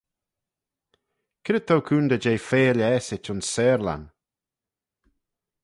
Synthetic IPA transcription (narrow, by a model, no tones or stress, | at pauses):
kʰɪɾət̪ʰowkʰuːnd̪əd͡ʒejfeːlɛːsɪt͡ʃʊnsɛːɾla̰n